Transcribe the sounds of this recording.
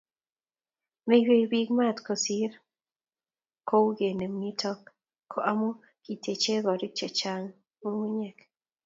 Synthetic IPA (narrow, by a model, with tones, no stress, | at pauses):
me˦˨we˦˨jbi˦ɡma˦tko˨si˦ɾ | ko˦wɡe˨ne˨mːi˦tʰɔ˦kʰː | o˨ʔa˦mo˦ | ki˨tʰe˨t͡ʃe˦ɡɔ˨ɾi˦k̚t͡ʃɛ˨t͡ʃa˦ŋ | mu˦wi˦ɲɛ˨k